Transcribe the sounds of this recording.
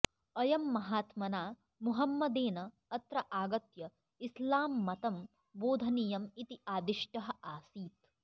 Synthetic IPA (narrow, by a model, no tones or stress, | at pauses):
ɐjɐmːɐɦaːt̪mɐnaː | muɦɐmːɐd̪eːnɐː | t̪ɾɐʔaːɡɐt̪jɐ | islaːmːɐt̪ɐm | boːd̪ʱɐnijɐmit̪iaːd̪iʃʈɐɦɐ̆aːsiːt̪